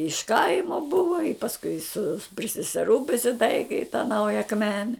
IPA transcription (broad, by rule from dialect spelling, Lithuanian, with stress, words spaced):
ɪʃ ˈkɐɪmoː ˈbʊʋoː ɪ pɐsˈkʊɪ sʊ pʲrʲɪ sʲɛsʲɛˈruː pʲrʲɪsʲɪˈtɐɪkʲɪ ɪ tɐ ˈnɐʊjɛ ɐkˈmʲæːnʲɛ